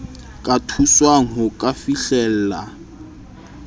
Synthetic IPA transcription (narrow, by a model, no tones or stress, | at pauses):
kʼatʰuswaŋ̩ɦʊkʼafiɬɛːl̩ːla